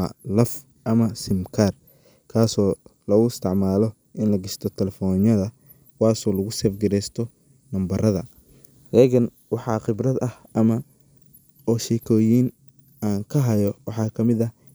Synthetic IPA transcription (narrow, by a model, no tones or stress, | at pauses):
ɐ̰lɐf | ʔɐmɐsɪmkʰar | kʰaːsɔːlɐɣʊɪst̪ʰɪʕmaːlɔ | ʔɪnlɐɡɪst̪ʰɔt̪ʰɛlɛfɔːnjɐðɐ | waːsɔːlɐɣʊsɛːfɡɐɾɛst̪ʰɔ | mɐmbɐrɐðɐ̰ | dɛːɣɐn | wɑħɑːqɪbrɐd̪ɐhʔɐmɐ | ɔːʃɛkʰɔːjiːn | aːŋkʰɐɦɐjɔwɑħɑːkʰɐmɪðɐ